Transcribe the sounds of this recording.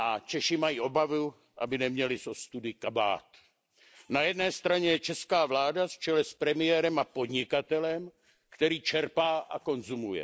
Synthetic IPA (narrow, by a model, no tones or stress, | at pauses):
ʔat͡ʃɛʃɪmajiːʔo̞bavu | ʔa̰bɪnɛmɲɛlɪso̞st̪udɪkaba̰ːt̪ | najɛdnɛːst̪ɾaɲɛjɛt͡ʃɛskaːvlaːdaft͡ʃɛlɛspɾɛmɪjɛːɾɛmapo̞dɲɪkat̪ɛlɛm | kt̪ɛɾiːt͡ʃɛɾpaːʔako̞nzumujɛ̰